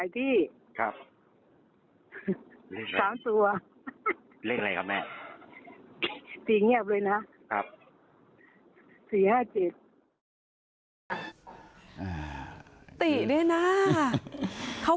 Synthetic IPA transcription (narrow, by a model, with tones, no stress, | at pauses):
a˨˦jt̪ʰiː˥˩ | kʰɾa˦˥p̚ | aː˨˩˦mt̪u˧ɐ | leː˥˩k̚la˧jkʰa˧˩pnɛː˥˩ | t̪iː˨˩ŋi˥˩əp̚lɤː˧jna˦˥ | kʰa˦˥p̚ | siː˨˩haː˥˩t͡ɕe˨˩t̪̚ | ʔaː˨˩t̪i˨˩da˥˩jna˦˥ | kʰa˦˥